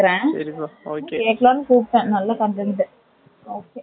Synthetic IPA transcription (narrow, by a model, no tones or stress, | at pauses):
ɾẽːokeːkloːnɯkuːpːẽːnɐlːaːkɐɳʈ̪ɛnɖ̪ɯ | oːkeː